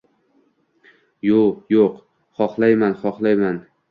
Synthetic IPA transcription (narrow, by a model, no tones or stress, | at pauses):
jojoq | χɒqlˠajmanχɒqlˠajman